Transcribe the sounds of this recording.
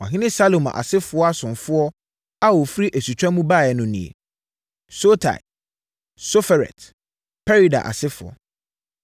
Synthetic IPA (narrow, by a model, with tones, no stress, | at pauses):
ɔ̰˨ɦɪ̃˦nɪ̃˦sa˦lo˨mã̰˨ʔa̰˨sɪ˦fʊ˨˦ɔ˦a˦sʊ̃˨nfʊ˦ɔ˦ | a˦wɔ˨fɾi˦ʔæ˨su˨t͡ɕᶣã˦mũ˦ba˦˨jɛ˨nʊ̃˨nḭ̃˨ḛ˨ | so˦tʰa̰˨ɪ˨ | so˦fɛ˨ɾɛ̰˨t | pʰɛ˦ɾi˨da̰˨ʔa̰˨sɪ˦fʊ˨ɔ̰˨